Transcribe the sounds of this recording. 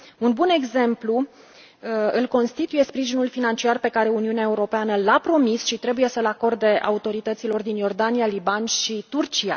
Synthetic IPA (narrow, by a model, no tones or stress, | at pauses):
unbune̞ɡze̞mplu | ɨlko̞nst̪it̪uje̞spɾiʒinulfinant͡ʃiarpe̞kaɾe̞uniuneae̞uɾo̞peanəlapɾo̞misʃit̪ɾe̞buje̞səɨlako̞rd̪e̞ʔa̰ut̪o̞ɾit̪ət̪silo̞rd̪injo̞rd̪anijalibanʃit̪urt͡ʃia̰